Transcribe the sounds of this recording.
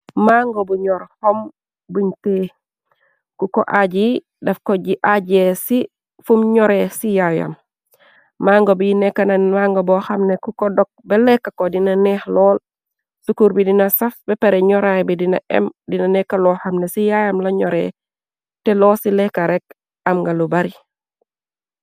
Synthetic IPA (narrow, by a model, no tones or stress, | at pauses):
maŋɡobuɲɔɾhɔm | buɲteː | kukoʔaɟi | dɐfkoɟiʔaɟesi | fumɲɔɾesijaja̰mː | aːŋɡobijinɛkːanamaŋɡobɔxɐmnekukɔdɔk̚bɛlɛkːakodinɐnɛhlɔːl | sukuɾbidinɐsɐfbɛpeɾɛɲɔɾajbidinɐ̰ʔɛ̰mdinanɛkːalɔxɐmnesijajamlaɲɔɾḛ | tɛlɔsilɛkːaɾɛk | ɐmŋɡalubaɾi